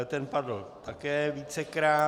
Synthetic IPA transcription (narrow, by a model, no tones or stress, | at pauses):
t̪ɛnpadl̩t̪akɛːviːt͡sɛkɾaː